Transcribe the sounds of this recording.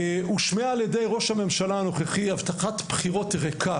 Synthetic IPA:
uʃmeaːljede̞jʁo̞ʃhame̞mʃalaano̞χeχiavt̪aχatpχiʁo̞tʁekʰa

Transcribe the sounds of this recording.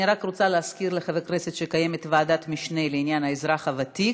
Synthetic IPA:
iʁakʁot͡saleaskiɾleχavekʁeset̪ʃekaje̞me̞tvaːdatmiʃneleinjanhaezʁaχavati

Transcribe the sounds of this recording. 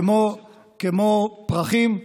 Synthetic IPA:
mo | kemopʁaχim

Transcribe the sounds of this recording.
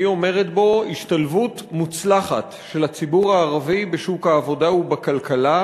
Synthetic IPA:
io̞me̞ʁetbo̞iʃtalvutmut͡slaχa̰t | ʃe̞lat͡sibuʁaːʁavibe̞ʃukhaːvo̞daubakalkala

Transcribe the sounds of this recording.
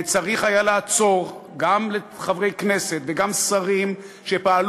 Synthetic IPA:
t͡saʁiχajalaːt͡so̞ʁɡamle | χavʁe̞jkne̞set̪veɡamsaʁim | ʃepaːl

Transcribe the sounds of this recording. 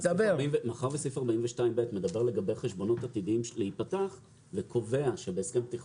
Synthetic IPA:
sabeʁimvemaχaʁbesifaʁbaiɱveʃtaimbetme̞d̪abe̞ʁle̞ɡabejχe̞ʃbo̞no̞tat̪idiimʃleit̚pataχ | vekʰo̞ve̞aʃebeːskempt̪iχ

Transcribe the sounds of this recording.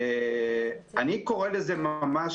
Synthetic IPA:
e | aniko̞ʁelezemamaʃ

